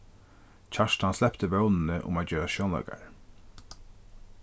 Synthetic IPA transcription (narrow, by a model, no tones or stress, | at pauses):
t͡ʃʰaʂt̪hanslɛpt̪əʋœwnnəʔʊ̰mat͡ɕɛɾaʃjɔwnla̰ka̰ɹ